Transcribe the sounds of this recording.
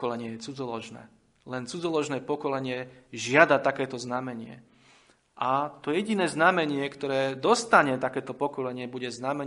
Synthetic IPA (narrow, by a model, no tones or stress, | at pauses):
kɔlɛɲɪɛjɛt͡sud͡zɔlɔʒnɛ̰ː | lɛnt͡sud͡zɔlɔʒnɛːpɔkɔlɛɲɪɛʒɪad̪at̪akɛːt̪ɔznamɛɲɪɛ̰ | ʔat̪ɔjɛɟinɛːznamɛɲɪɛkt̪ɔɾɛːd̪ɔst̪aɲɛt̪akɛːt̪ɔpɔkɔlɛɲɪɛbuɟɛznamɛ